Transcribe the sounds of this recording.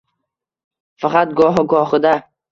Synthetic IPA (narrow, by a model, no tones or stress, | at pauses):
faqʰɑt̪̚ɡɒɦɪɡɒχɪd̪a